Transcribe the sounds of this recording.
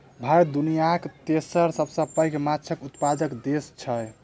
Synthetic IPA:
bʱajd̪unijakt̪esəɾsəbsəpːajkemat͡ʃʰəkut̪pad̪əkd̪est͡ʃʰə

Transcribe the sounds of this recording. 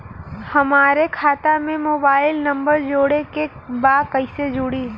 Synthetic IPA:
hɐmaːɾekʰaːt̪amẽmoːbaːɪlnɐ̃mbəɾd͡ʒoːɽekebaːd̪kəɪsed͡ʒʊɽi

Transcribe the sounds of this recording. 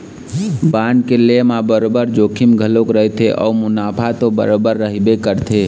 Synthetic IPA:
baːnkelemãbəɾobəɾd͡ʒoːkʰimɡʱəlokɾəɦt̪ʰeʔɔ̰ːmʊnaːpʰat̪obəɾobəɾːəɦibekəɾt̪ʰe

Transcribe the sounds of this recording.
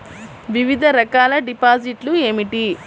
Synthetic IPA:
ʋiʋid̪ʱɐɾɐkaːlɐɖipaːd͡ʒiʈlue̞ːmiʈi

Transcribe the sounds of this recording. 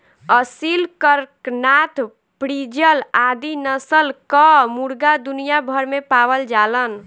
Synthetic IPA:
əsilkəɾknat̪ʰ | pɾid͡ʒəlad̪inəsəlkəmuɾɡad̪unijabʱəɾmepawəld͡ʒalən

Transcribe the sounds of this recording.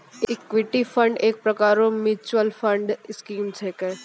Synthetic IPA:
ɪkʋɪʈifʰə̃ɳɖeːk̚pɾɐkaːɾõmɪt͡ʃuwəlfʰə̃ɳɖɪskiːmt͡ʃʰeːke

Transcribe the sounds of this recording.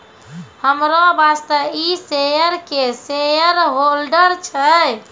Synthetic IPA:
həmɾobast̪əisejəɾkesejəɾɦolɖəɾt͡ʃʰə

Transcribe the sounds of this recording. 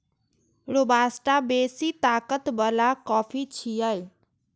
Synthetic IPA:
ɾobaːsʈabeːsit̪aːkət̪bəlakɔːpʰit͡ʃʰijaj

